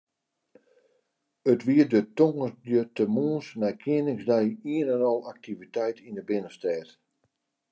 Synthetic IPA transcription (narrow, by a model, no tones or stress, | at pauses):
ətʋiədətoŋədətəmuːnsnɛjkʰiənɪŋsdɛjiənɛnɔlˠak̚tʰivitɛjtʰinəbɪnəstɛːt